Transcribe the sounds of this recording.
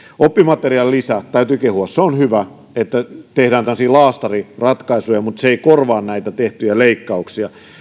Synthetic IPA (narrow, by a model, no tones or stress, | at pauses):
opːimɑt̪eriɑlːisæt̪æyt̪ykehuɑsseonhyʋæ | et̪ːæt̪ehdæːnt̪ɑnɑsilɑːst̪ɑrirɑt̪kɑisujɑmut̪seeikorʋɑːnnæit̪æt̪eht̪yjæleikːɑuksiɑ